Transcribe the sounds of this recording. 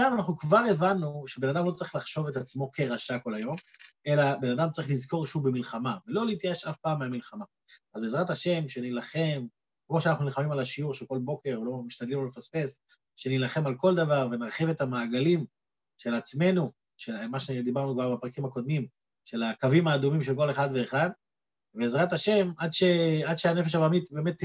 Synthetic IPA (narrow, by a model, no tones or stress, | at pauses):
amanaχnukvaʁe̞vanːuʃebe̞nad̪amlo̞t͡saʁiχlaχʃo̞vet̪at͡smo̞kʰe̞ʁaʃako̞lajo̞me̞labe̞nadamt͡saʁiχlizko̞ʁʃubemilχamavelo̞leit̪jaeʃafpaːmːeamilχama | azbezʁataʃe̞mʃe̞nilaχe̞m | kmoʃanaχnunilχamimalaʃiuʁʃelko̞lbo̞ke̞ʁolo̞miʃtad̪limolefaspe̞s | ʃe̞nilaχe̞malko̞ld̪avaʁve̞naʁχive̞tamaːɡalim | ʃe̞lat͡sme̞nu | ʃemaʃed̪ibaʁnukvaʁbapʁakimako̞d̪̚mim | ʃe̞lakavimaːd̪umimʃelk̬o̞le̞χad̪ve̞ːχad̪ | beːzʁat̪aʃe̞mʔad̪ʃead̪ʃeane̞fe̞ʃabamit̪be̞ːme̞t̪